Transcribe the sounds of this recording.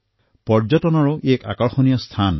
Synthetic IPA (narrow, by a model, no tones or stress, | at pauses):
pɔɹd͡ʒɔtɔnɔɹuʔeka̰kɔɹxɔnijɔst̪ʰan